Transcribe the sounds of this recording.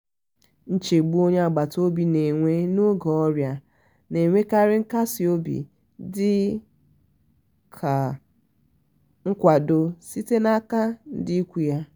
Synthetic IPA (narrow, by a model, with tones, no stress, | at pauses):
n̩˦t͡ʃe˨ɡ͡bu˦o˦ɲe˦a˨ɡ͡ba˨to˦bi˨ne˨ŋʷe˦nʊ˦ɡɔ˨ɔ˦ɾja˦ | ne˨ŋʷe˦ka˦ɾɪ˦ŋ̩˦ka˦sɪ˨o˦bḭ˨ | dɪ˦ | kʰa˨ | ŋ̩˦kʷa˨do˦si˦te˦na˦ka˦n̩˦dɪ˦kʷu˦ja˦